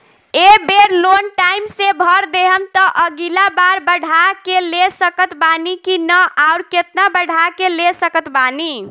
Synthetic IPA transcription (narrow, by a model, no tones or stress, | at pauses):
ebeɾlonʈaimsebʱəɾd̪eɦəmt̪əʔəɡilabaɾbəɽʱakelesəkət̪banikinəʔaʊɾket̪nabəɽ̤ʱakelesəkət̪bani